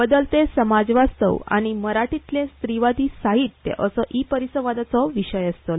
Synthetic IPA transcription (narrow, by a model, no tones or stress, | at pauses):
bəd̪əlt̪esəmad͡zʋast̪ə̰wa̰ɽ̃iməɾaʈit̪ljẽst̪ɾiʋad̪ʱiːsaɦit̪ːḛʔəsəʔipəɾisəʋ̃ʋad̪at͡sɔʋiɕəjəst̪ə